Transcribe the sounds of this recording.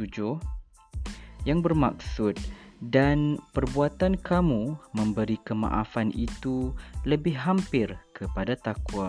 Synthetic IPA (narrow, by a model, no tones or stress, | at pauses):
ud͡ʒo | jaŋbərma̰ksʊt̪̚danpərbuat̪ankamumə̃mbəɾikəmã̰ʔafanḭt̪uləbɪhɦampɪrkʰəpadat̪akua